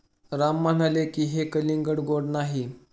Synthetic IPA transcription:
ɾamːan̤alekiːɦekəliŋɡəɽɡoɽnaɦi

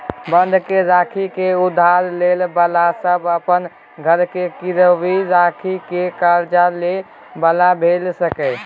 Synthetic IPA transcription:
bə̃nd̪ʱkeɾakʰikeud̪ʱaɾlelbəlasəbəpən | ɡʱəɾkekiɾəʋiɾakʰikekaɾd͡ʒale | bəlabʱelsəkɛ

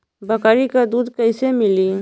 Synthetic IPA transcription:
bɐkaːɾikad̪uːd̪kɐɪsemɪli

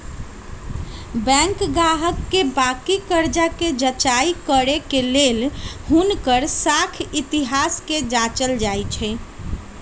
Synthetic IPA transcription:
bɛ̃ŋkɡaɦəkːebakikəɾd͡ʒaked͡ʒət͡ʃaikəɾekelelhunkəɾsakʰit̪iɦasked͡ʒat͡ʃəld͡ʒajt͡ʃʰɛ

